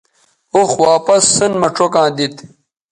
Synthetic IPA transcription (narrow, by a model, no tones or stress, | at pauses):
oxwaːpɐsːɐnmɐʈ͡ʂʰokãːd̪it̪